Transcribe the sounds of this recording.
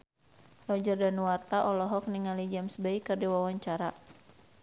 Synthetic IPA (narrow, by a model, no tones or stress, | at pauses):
rɔd͡ʒərdanuwart̪aʔɔlɔɦɔk̚niŋalid͡ʒamsbaikɨrdiwawaɲt͡ʃaɾa